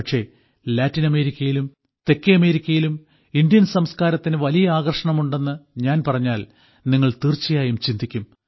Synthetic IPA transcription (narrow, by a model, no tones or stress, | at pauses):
ɐkʂe̞ː | laːtːinɐme̞ːɾikʲːɐjilum | t̪e̞kːeɐme̞ːɾikʲːɐjilum | indijɐnsɐmskaːɾɐt̪ːinɨʋɐlijɐaːɣɐrʂɐɳɐmuɳɖe̞nːɨɲaːnpɐrɐɲːaːl | niŋːɐɭt̪irt͡ɕːijaːjumt͡ɕind̪ʱikʲːum